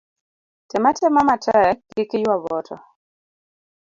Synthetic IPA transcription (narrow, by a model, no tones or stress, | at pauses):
tɛmatʰɛmamatʰɛɛkɪkɪjwaβɔtʰɔ̰